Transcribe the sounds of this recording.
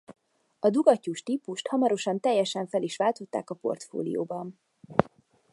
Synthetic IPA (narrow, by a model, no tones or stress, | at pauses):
ɒd̪uɡɒcːuʃt̪iːpuʃt̪hɒmɒɾo̞ʃɒnt̪ɛjːɛʃɛɱfɛliʃʋaːlt̪o̞t̪ːa̰ːkɒpo̞̰rt̪fo̰ːlḭjo̰ːbɒn